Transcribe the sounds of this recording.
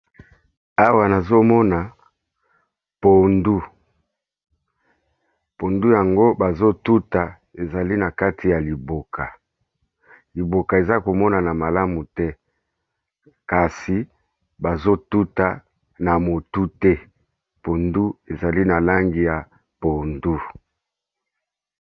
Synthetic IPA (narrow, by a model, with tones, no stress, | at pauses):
a˦wa˨na˨zo˦mɔ˦na˨ | po˨ndu˦ | po˨ndu˦ja˨ŋɡo˦ba˨zo˦tu˦ta˨ | e˨za˨li˦na˨ka˦tʰi˨ja˨li˨bo˨kʰa˨ | li˨bo˨ka˨e˨za˦ko˨mɔ˦na˨na˨ma˨la˦mu˨tɛ˦ | ka˨si˨ | ba˨zo˦tu˦ta˨ | na˨mo˨tu˦tɛ˦ | po˨ndu˦e˨za˨li˦na˨la˦ŋɡi˨ja˨ | po˨ndu˦